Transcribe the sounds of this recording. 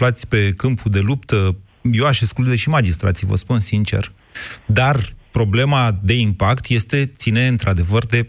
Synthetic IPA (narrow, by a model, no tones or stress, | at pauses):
flat̪sʲpe̞kɨmpʰud̪e̞lupt̪ə | je̞waʃesklud̪eʃimad͡ʒist̪ɾa̰t̪sijvə̰spunsint͡ʃe̞̰r | d̪arpɾo̞ble̞mad̪e̞impakt̪je̞st̪e̞t̪sine̞ɨnt̪ɾad̪e̞vərd̪e̞